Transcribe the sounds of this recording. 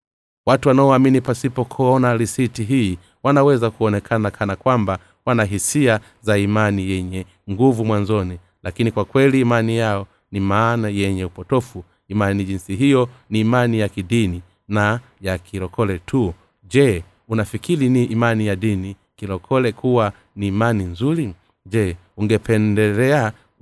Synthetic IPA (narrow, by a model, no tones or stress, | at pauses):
watuwanaɔaminipasipɔkʰɔɔnaɾisitiɦiː | wanawɛzakuɔnɛkʰanakʰanakwamba | wanaɦisia | zaimanijɛɲɛ | ŋɡuvumwanzɔni | lakinikwakwɛliːmanijaɔ | nimaːnajɛɲɛupɔtɔfu | imaniʄinsiɦijɔniːmanijakiɗini | na | jakʰiɾɔkʰɔlɛtʰu | ʄɛ | unafikiliniːmanijaɗini | kilɔkʰɔlɛkʰuwa | niːmaninzuɾi | ʄɛ | uŋɡɛpɛndɛlɛa